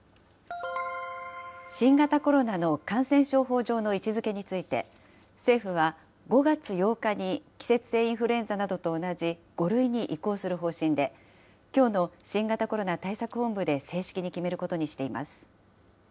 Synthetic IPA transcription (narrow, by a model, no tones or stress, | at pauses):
ɕĩŋɡat̪ako̞ɾo̞nano̞kãɰ̃sẽ̞ɰ̃ɕo̞ːɦo̞ːʑo̞ːno̞it͡ɕizɨke̞ɲ̟it͡sɨit̪e̞̰ | se̞ːɸɯ̟β̞a | ɡo̞ɡat͡sɨjo̞ːkaɲ̟ikʲi̥se̞t͡sɨ̥se̞ːĩɰ̃ɸɯ̟ɾẽ̞nd͡zanad̪o̞t̪oːnad͡ʑiɡ̥o̞ɾɯ̟iɲ̟iʔiko̞ːsɨɾɯ̟ɦo̞ːɕĩnd̪e̞ | kʲo̞ːno̞ɕĩŋɡat̪ako̞ɾo̞nat̪aisakɯ̟hõ̞mbɯ̟d̪e̞se̞ːɕi̥kʲiɲ̟ikʲime̞ɾɯ̟ko̞t̪oɲ̟iɕi̥t̪e̞ima̰sɨ̥